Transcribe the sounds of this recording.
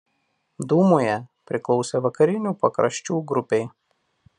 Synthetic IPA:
d̪uːmoːjɛpʲɾʲɪklˠɒʊsʲeʋɐkɐɾʲɪnʲuːpɐkɾɐʃʲt͡ʃʲuːɡɾʊpʲɛɪ

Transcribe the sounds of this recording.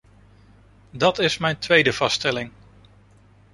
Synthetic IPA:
dɑtɪsmɛjntʋejdəv̥ɑstɛlɪŋ

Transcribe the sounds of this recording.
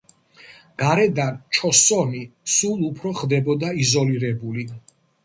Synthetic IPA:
ɡ̥aɾɛd̪ant͡ʃʰɔsɔnisulˠupʰɾɔχd̪ɛbɔd̪aizɔliɾɛbuli

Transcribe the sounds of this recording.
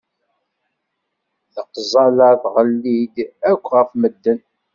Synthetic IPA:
ðəqːzˤɑləðʁəlːid̪ækʷːʁəfməd̪ːən

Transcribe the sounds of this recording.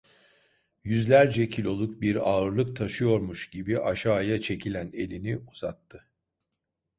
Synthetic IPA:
jyzlʲæɾd͡ʒɛcʰilʲo̞lˠuk̚biɾaːɯɾlˠɯk̚t̪ʰaʃɯjo̞ɾmuʃɟibiʔaʃaːjat͡ʃʰe̞cʰilʲæne̞lʲiniuz̥at̪ʰːɯ

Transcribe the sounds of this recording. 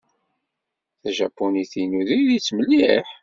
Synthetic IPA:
θæʒæpːuniθinuðiðit͡sːməlːiħ

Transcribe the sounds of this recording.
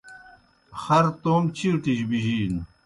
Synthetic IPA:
xɐɾt̪oːmt͡ɕʰiɾʈiɕbiʑiːn

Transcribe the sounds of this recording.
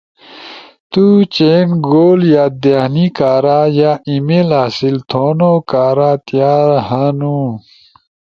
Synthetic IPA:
t̪ut͡ɕeːnɡoːljaːd̪enikaːɾaːjaːimelaːsilt̪ʰoːnokaːɾat̪jaːɾhanu

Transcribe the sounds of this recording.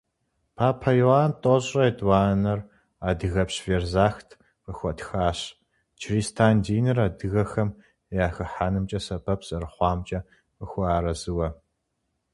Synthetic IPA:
pʰaːpʰɐjoaːntʼoɕʼɐedwaːnɐr | aːdɨɣɐpɕverzaːxtʰ | qɨxʷɔtxaːɕ | t͡ʃʰriːstʰaːndiːnɨraːdɨɣɐxɐm | jaːxɨħaːnɨmt͡ʃʼɐsɐbʰɐpʰsʼɐrɨχʷɑːmt͡ʃʼɐ | əxʷaːɾɐzɨwɐ

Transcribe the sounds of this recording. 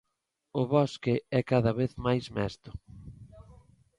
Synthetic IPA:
ʊβɔskɪɛkaðɐβeθmajzmɛst̪ʊ̥

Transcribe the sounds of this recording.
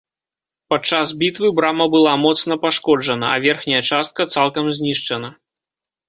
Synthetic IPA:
pat͡ʂazbʲit̪vɨbɾamɐbɨlˠamɔt̪snɐpaʂkɔd͡ʐɐnɐ̰ɐ̰vʲɛrxnʲɐjɐt͡ʂast̪̚kɐt̪salˠkɐmzʲnʲiʂt͡ʂɐnɐ

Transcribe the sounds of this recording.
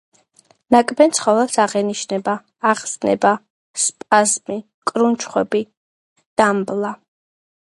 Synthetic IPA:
nakʼbɛnt̪sʰχɔvɛlˠsaʁɛniʃnɛbaː | ʁsnɛ̰ba | spʼazmi | kʼɾunt͡ʃʰχwɛbi | d̪̥amblˠa

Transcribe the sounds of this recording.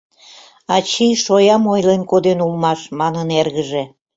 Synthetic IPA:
ɑt͡ɕiʃojɑmojlenkod̪enulmɑʃmɑnənerɣəʒe

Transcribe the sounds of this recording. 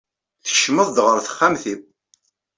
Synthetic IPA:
θə̥ʃməðˤd̪ʁəɾθə̥χːamθib

